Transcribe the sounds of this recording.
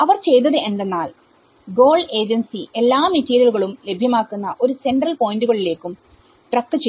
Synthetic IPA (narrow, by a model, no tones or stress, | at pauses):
ɐʋɐrt͡ɕe̞jt̪̬ːɐðɨend̪enːaːl | ɡo̞ːɭɖe̞ːd͡ʑɐnsiʔe̞lːaːmitːeːɾjɐluɣɐɭumle̞bʱjɐmaːkːunːɐʔo̞ɾuse̞ɳɖrɐlpo̞ːjinduɣɐɭile̞ːkːum | ʈrɐk̚t̪ːɨt͡ɕːe